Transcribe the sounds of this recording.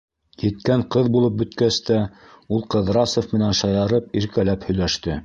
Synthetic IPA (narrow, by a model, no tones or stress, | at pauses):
jɘ̆t̪kæɴqɤðbulˠɤp̚bɵ̆t̪kæst̪æ | ulˠqɤ̆ðɾɑsŏfmɘ̆nænʃɑjɑɾɤpiɾkælæphɵ̆jlæʃt̪ɘ